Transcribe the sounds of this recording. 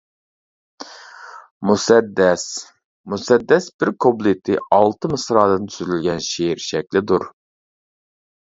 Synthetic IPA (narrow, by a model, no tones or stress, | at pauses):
musɛd̪ːɛs | musɛd̪ːɛsbɪɾkʰoblˠit̪ʰɪɑlˠt̪ʰɨmɨsɾɑːd̪ɨnt̪ʰyzylɡʲɛnʃeɾʃɛkʲlɪd̪uɾ